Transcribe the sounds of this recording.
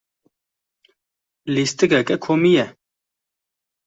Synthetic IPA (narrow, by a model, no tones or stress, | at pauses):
list̪ɨkɛkɛkʰoːmijɛ